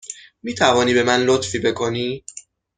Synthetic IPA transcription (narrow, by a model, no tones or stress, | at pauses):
miːt̪ʰævɒːniːbe̞mænlot̪fiːbe̞kʰo̞niː